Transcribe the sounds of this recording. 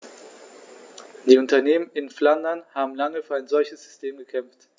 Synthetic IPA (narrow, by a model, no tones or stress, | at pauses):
d̥iːʊntɐneːmənɪnflandɐnhaːbm̩laŋəfyːɐaɪnzɔlçəsz̥ʏstʰeːmɡəkʰɛmft